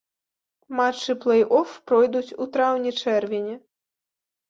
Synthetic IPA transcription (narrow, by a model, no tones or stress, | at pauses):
mat͡ʂːɨplˠɛjʔɔfpɾɔjd̪ut͡sʲut̪ɾawnʲɛt͡ʂɛrvʲɛnʲɛ